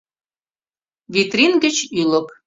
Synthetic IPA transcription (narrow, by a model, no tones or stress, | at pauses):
vʲit̪rʲinɡə̆t͡ɕylə̆p